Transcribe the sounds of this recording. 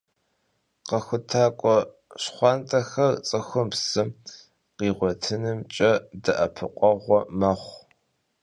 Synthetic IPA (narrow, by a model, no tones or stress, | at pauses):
qɐxʷʊtʰaːkʷʼɔ | ɕχʷɑːntʼɐxɐrt͡sʼɨxʷʊmpsɨm | qiːʁʷɔtʰɨnɨmt͡ʃʼɐdɐʔɐpʰɨqʷʼɔʁʷɔmɐχʷ